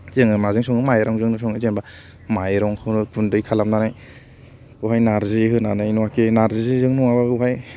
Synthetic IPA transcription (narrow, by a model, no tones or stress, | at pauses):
zeŋɯmazɯŋsɔŋɯmajɾaŋzɯŋnɯsɔŋɯzenba | majɾɔŋkʰɯwnɯpʰundɯjkʰalamnanaj | uɦajnaɾziɦɯnanajnɔwakʰenaɾzizizɯŋnɔŋabauhaj